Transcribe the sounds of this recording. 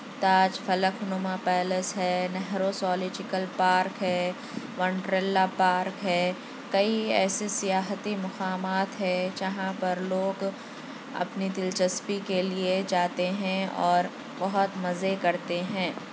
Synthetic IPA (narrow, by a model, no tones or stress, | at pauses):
t̪aːd͡ʒfɐləkʰnʊmapɛːləsɦɛːnɛɦɾosɔːlɪd͡ʒɪkəlpaːɾkɦɛː | ʋɐ̃ɳʈɾelːapaːɾkɦɛː | kɐiɛ̰ːsesɪjaːɦt̪imʊqaːmaːt̪ɦɛ̃d͡ʒɐɦãpɐɾloːɡ | ɐ̰pnid̪ɪlt͡ʃəspikelied͡ʒaːt̪eɦɛ̃ɔːɾ | bɐɦʊt̪mɐzekɐɾt̪eɦɛ̃ː